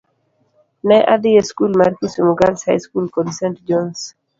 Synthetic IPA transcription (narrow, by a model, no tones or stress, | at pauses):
nɛʔad̪ɪjeskulmaɾkusimuɡalshajskulkɔdisɛntd͡ʒɔns